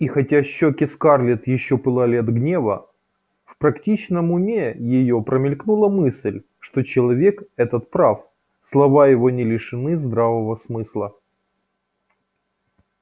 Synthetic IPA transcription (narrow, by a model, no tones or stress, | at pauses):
ixɐtʲaɕːokʲɪskarlʲɪt̪jɪɕːopɨlˠalʲɪɐd̪ɡnʲe̞və̰ | fpɾɐktʲit͡ɕnəmʊmʲejɪjo̞pɾəmʲɪlʲknulˠəmɨsʲlʲ | ʂt̪o̞t͡ɕɪlˠɐvʲe̞kɛt̪ət̪pɾaf | slˠɐvajɪvonʲɪlʲɪʂɨnɨzd̪ɾavəvəsmɨslˠə